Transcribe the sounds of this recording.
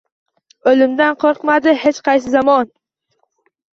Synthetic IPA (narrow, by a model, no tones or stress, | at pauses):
olɪmd̪anqʰoɾqmad̪ɪhet͡ʃqʰɑjs̬ɪzamɒn